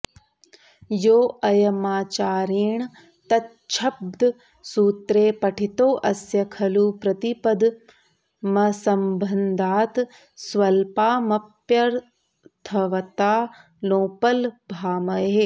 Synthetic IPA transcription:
joːɐjɐmaːt͡ʃaːɾiːɳ̃ | t̪ɐt̪ | t͡ʃʰɐb̚d̪ʱ | suːt̪ɾeːpɐʈʰit̪oːʔɐsjɐkʰɐluːpɾɐt̪ipɐd̪ʱ | mɐsɐmbʱɐnd̪ʱaːt̪ | sʋɐlpaːmɐpjɐɾ | t̪ʰɐʋɐt̪aː | loːpɐlbʱaːmɐɦeː

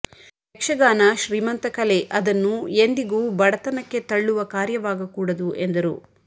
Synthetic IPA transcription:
pekʂɐɡaːnaʃɾiːmɐnt̪ɐkɐleʔɐd̪ɐnːuend̪iɡubɐɽɐt̪ɐnɐkːe̞t̪ɐɭːuʋɐkaːɾjɐʋaːɡɐkuːɽɐd̪uʔe̞nd̪ɐɾṵ

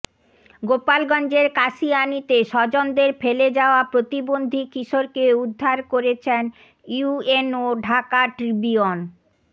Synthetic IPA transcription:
ɡopalɡɔnd͡ʑeɾkaʃianit̪eʃɔd͡ʑond̪eɾfeled͡ʑaoapɾot̪ibond̪ʱikiʃoɾkeud̪ʱːaɾkoɾet͡ɕʰen | uenoɖʱakaʈɾibion

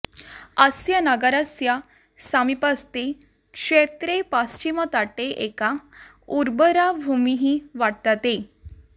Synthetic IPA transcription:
əsjənəɡəɾasja | samipast̪e | kʂet̪ɾepast͡ɕimət̪aʈeʔeka | uɾbəɾabʱumiɦiʋaʈ̚t̪at̪e

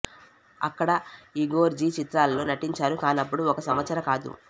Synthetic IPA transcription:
ɐ̰kːɐɽɐiɡo̞ːɾd͡ʒiːt͡ʃit̪ɾaːllo̞ːnɐʈiɲt͡ʃaːɾukaːnɐpːuɽuɔkɐsɐmʋɐt̪sɐɾɐkaːd̪ṵ

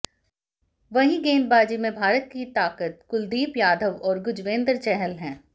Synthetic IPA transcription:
ʋɐɦĩɡeːnbaːd͡ʒimẽbʱaːɾət̪̚kit̪aːkət̪̚kʊld̪iːpjaːd̪ʱəʋɔːɾɡʊd͡ʒʋẽːnd̪əɾt͡ʃɛɦəlɦɛ̃ː

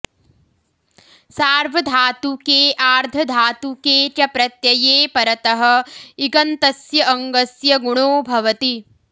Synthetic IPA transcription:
saːɾʋɐd̪ʱaːt̪ukeːʔaːɾd̪ʱɐd̪ʱaːt̪ukeːt͡ʃɐpɾɐt̪jɐjeːpɐɾɐt̪ɐɦɐ̆iɡɐnt̪ɐsjɐʔɐŋɡɐsjɐɡuɳ̃oːbʱɐʋɐt̪i

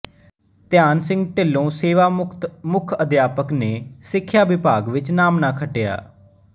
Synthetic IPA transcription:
t̪ɪjaːnsɪ̃ŋɡʈɪlːõːseːʋaːmʊkʰəd̪jaːpəkneːsɪkʰːjaːʋɪpaːɡʋɪt͡ʃnaːmnaːkʰəʈeja̰ː

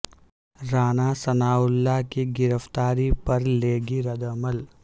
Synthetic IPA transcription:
ɾaːnasɐnaːʊlːakiɡɪɾəft̪aːɾipɐɾleːɡiɾɐd̪əməl

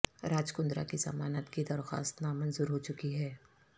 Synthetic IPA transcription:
ɾaːd͡ʒkʊ̃nd̪ɾa̰kizɐ̰maːnət̪kid̪ɐɾxa̰ːst̪namɐnzuːɾɦot͡ʃʊkiɦɛː

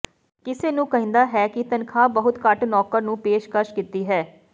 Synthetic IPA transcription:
kɪseːnũːkəɦɪ̃ːnd̪aːɦɛːkɪt̪ənkʰaːbəɦʊt̪kəʈnɔːkəɾnũːpeːʃkəɾʃkit̪iːɦɛː

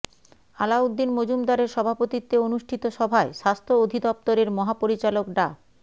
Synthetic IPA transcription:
alaud̪ːinmod͡ʑumd̪aɾeɾʃɔbʱapot̪it̪ːeonuʃʈʰit̪oʃɔbʱaeʃast̪ʰood̪ʱid̪ɔp̚t̪oɾeɾmɔɦapoɾit͡ɕalokɖa

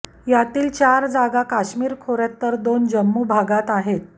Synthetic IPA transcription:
jat̪iːlt͡ɕaɾd͡zaɡakaɕmiːɾkʰoɾjat̪ːəɾd̪ond͡ʑəmːuːbʱaɡat̪aɦet̪̚

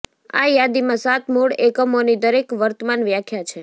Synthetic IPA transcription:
a̰jad̪imãsat̪ʰmuɽekəmonid̪əɾekʋəɾt̪əmanʋjakʰjat͡ʃʰe

